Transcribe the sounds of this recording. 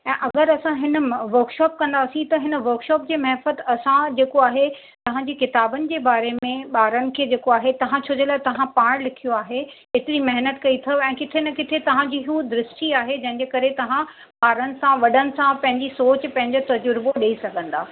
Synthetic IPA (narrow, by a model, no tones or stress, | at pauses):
ɛ̃ːʔɐɡəɾɐsãɦɪn̆ʋɐɾkʃɔːp̚kɐ̃nd̪aːsĩt̪ɐɦɪn̆ʋɐɾkʃɔːp̚d͡ʑeːmɐɦɛfət̪ɐsãd͡ʑeːkoaːɦe | t̪ɐʋ̤ãɲd͡ʑeːkɪt̪aːbənɪ̆d͡ʑeːbaːɾemẽɓaːɾənɪ̆kʰeːd͡ʑeːkoaːɦet̪ɐʋ̤ãt͡ɕʰoːd͡ʑəlaːt̪ɐʋ̤ãpaːɽ̃lɪkʰijoaːɦe | eːt̪ɪɾimɐɦnət̪kɐit̪ʰɐɛ̃ːkɪt̪ʰenɛkɪt̪ʰet̪ɐʋ̤ãd͡ʑiːɦud̪ɪɾɪsʈiaːɦed͡ʑɐ̃ɦɪ̃ɲd͡ʑeːkɐɾet̪ɐʋ̤ã | ɓaːɾənɪ̆sãʋɐɗənɪ̆sãpɐ̃ɦɪ̃ɲd͡ʑisoːt͡ɕpɐ̃ɦɪ̃ɲd͡ʑot̪ɐd͡ʑʊɾboɗeisɐɡʱə̃nd̪aː